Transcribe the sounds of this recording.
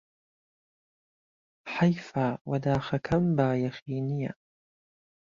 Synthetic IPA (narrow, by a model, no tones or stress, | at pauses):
ħajfaːwad̪aːxakʰambaːjaxiːnɪja̰